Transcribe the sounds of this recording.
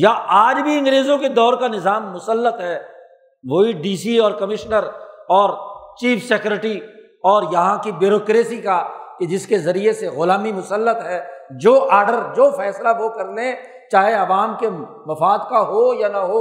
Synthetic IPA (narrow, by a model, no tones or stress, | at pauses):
jaʔaːd͡ʒbʱiɐ̃ŋɡɾeːzõked̪ɔːɾkanɪzaːmːʊsəlːət̪ɦɛː | ʋoːiɖiːsiɔːɾkɐmɪʃnəɾɔːɾt͡ʃiːfʰsekjʊɾɪʈi | ɔːɾjɐɦãkibɪɾoːkɾeːsikaked͡ʒɪskezɐɾieseɣʊlaːmimʊsəlːət̪ɦɛːd͡ʒoːʔaːɾɖəɾd͡ʒoːfɛːslaʋokɐɾlẽ | t͡ʃaːɦeɐʋaːmke | mɐfaːd̪kaɦojanɐɦoː